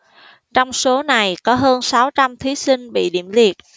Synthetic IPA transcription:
t͡ɕɔ˧wŋ͡mso˨˦na˨˩jkɔ˨˦ɦəː˧nsaː˨˦wt͡ɕa˧mt̪ʰi˨˦si˧ŋ̟ɓḭ˧˨ɗḭ˧˩əmli˨˩ət̚

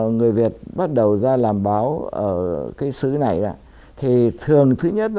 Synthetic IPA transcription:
ŋɨ˨˩əjvi˨˩ət̚ɓa˦˥t̚ɗə˨˩wzaː˧laː˨˩mɓaː˨˦wʔə̰ː˧˩kaː˨˦jsɨ˨˦na˨˩jza̰ː˧˦ | t̪ʰi˨˩t̪ʰɨ˨˩əŋt̪ʰɨ˨˦ɲə˦˥t̚

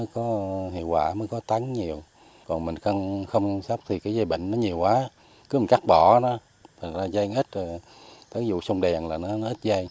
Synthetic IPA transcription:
əː˨˦jkɔ˨˦ɦḭ˧˨əwkwa̰ː˧˩məː˨˦jkɔ˨˦t̪a˨˦ŋɲi˨˩əw | kɔ˨˩nmï˨˩ŋ̟xa˧ŋxə˧wŋ͡msa˦˥wp̚t̪ʰi˨˩kaː˨˦jza˧jɓə̰˧˨ŋ̟nɔ˨˦ɲi˨˩əwkwaː˨˦ | kɨ˨˦mi˨˩ŋka˦˥k̚ɓɔ˧˩nɔ˨˦ | t̪ʰa˨˩ŋ̟zaː˧za˧jŋʔi˦˥t̚ːt̪ʰa˨˦zṵ˧˨sə˧wŋ͡mɗɛ˨˩ŋlaː˨˩nɔ˨˦nɔ˨˦ʔi˦˥t̚za˧j

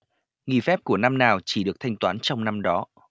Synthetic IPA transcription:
ŋi˨˩fɛ˦˥p̚ku˧˩əna˧mnaː˨˩wt͡ɕi˧˩ɗɨ˨˩ək̚t̪ʰa˧jŋ̟t̪waː˨˦nt͡ɕɔ˧wŋ͡mna˧mɗɔ˨˦

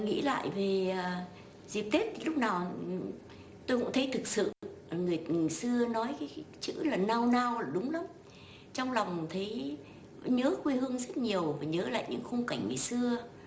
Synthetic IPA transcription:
ŋḭ˧˥la̰ː˧˨jve˨˩˨ | zi˨˩p̚t̪e˦˥t̚t̪ʰi˨˩lʊ˦˥k͡p̚naː˨˩w | t̪o˧jkʊ̰˧˥ŋ͡mt̪ʰə˨˦jt̪ʰɨ˨˩k̚sɨ̰˧˨˩ŋɨ˨˩əjjsɨ˧ənɔ˨˦jkaː˨˦jt͡ɕɨ̰˧˥laː˨˩naː˧wnaː˧wːɗʊ˨˦ŋ͡mla˨˦m | t͡ɕɔ˧wŋ͡mla˨˩wŋ͡mt̪ʰə˨˦j | ɲəː˨˦kwi˧hɨ˧əŋzə˦˥t̚ɲi˨˩əwvaː˨˩ɲəː˨˦la̰ː˧˨jɲɨ̰˧˥ŋxə˧wŋ͡mka˨˩jŋ̟ŋɨ˨˩jsɨ˧ə

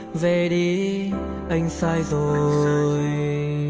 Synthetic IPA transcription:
ve˧ɾi˧˦ | ə˧jŋsa˧jzo˨˧j

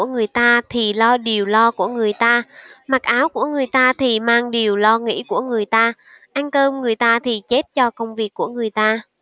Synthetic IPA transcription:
əŋɨ˨˩əjt̪aː˧t̪ʰi˨˩lɔ˧ɗi˨˩əwlɔ˧ku˧˩əŋɨ˨˩əjt̪aː˧ma˨˩k̚ʔaː˨˦wku˧˩əŋɨ˨˩əjt̪aː˧t̪ʰi˨˩maː˧ŋɗi˨˩əwlɔ˧ŋḭ˧˥ku˧˩əŋɨ˨˩əjt̪aː˧ | ʔa˧jŋ̟k̪əː˧mŋɨ˨˩əjt̪aː˧t̪ʰi˨˩t͡ɕe˦˥t̚t͡ɕɔ˧kə˧wŋ͡mvi˨˩əkːu˧˩əŋɨ˨˩əjt̪aː˧

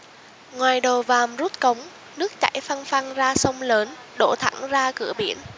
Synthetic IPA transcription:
ŋwaː˨˩jɗo˨˩vaː˨˩mzu˦˥t̚kə˨˦wŋ͡m | nɨ˦˥ək̚t͡ɕa̰˧˩jfa˧nfa˧ŋzaː˧sə˧wŋ͡mləː˨˦n | ɗo̰˧˩t̪ʰa̰˧˩ŋzaː˧kɨ̰˧˩əɓḭ˧˩ən

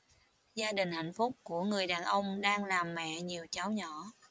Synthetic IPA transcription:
zaː˧ɗï˨˩ŋ̟ha̰˧˨jŋ̟fʊ˦˥k͡p̚ku˧˩əŋɨ˨˩əjɗaː˨˩nʔə˧wŋ͡mɗaː˧ŋlaː˨˩mːɛ̰˧˨ɲi˨˩əwt͡ɕa˨˦wɲɔ˧˩˨

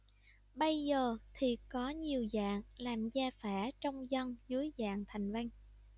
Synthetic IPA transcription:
ɓə˧jzəː˨˩t̪ʰi˨˩kɔ˨˦ɲi˨˩əwza̰ː˧˨ŋlaː˨˩mzaː˧fɛː˧˩t͡ɕɔ˧wŋ͡mzə˧ŋzɨ˨˦əjza̰ː˧˨ŋt̪ʰa˨˩jŋ̟va˧jŋ

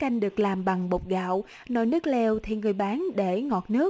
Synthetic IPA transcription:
ka˧jŋ̟ɗɨ˨˩ək̚laː˨˩mɓa˨˩ŋɓo˨˩k͡p̚ɣa̰ː˧˨w | nɔ˧˦jnɨ˦˥ək̚lɛ˧wt̪ʰi˨˩ŋɨ˨˩əjɓaː˨˦nɗe˧˩ŋɔ˨˩t̚nɨ˦˥ək

